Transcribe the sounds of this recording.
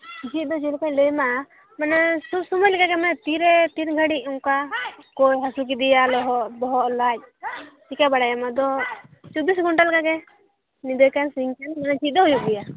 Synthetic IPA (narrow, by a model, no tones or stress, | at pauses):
d͡ʒit̪̚ˀd̪ɔd͡ʒilkac̚ləjma | manɛsubsumɔjlɛkaɡɛmɛt̪iɾɛt̪inɡʱəɽiʔ̚ɔŋkakɔjɦasuk̬id̪ijalɔɦɔʔbɔɦɔʔlac̚t͡ʃikabaɽajamad̪ɔt͡ʃɔbisɡʱuɳʈalɛkaɡɛ | nid̪ɔjkansiŋkanmanɛd͡ʒit̪̚ˀd̪ɔɦujuk̚ɡ̪ɛja